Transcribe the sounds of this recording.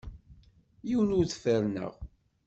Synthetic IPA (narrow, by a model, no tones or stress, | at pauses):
jiwənʊɾθfəɾnə̰ʁ